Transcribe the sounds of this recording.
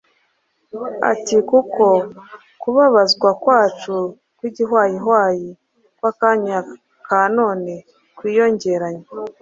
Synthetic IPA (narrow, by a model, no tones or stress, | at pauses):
a̰tikuko̞ | kuβaβazɡwakwaːt͡ʃu | kwiːɟiɦwaːjiɦwaːji | kwakaɲa | kanoːne | kwiːjo̞ɲɟe̞ɾaɲa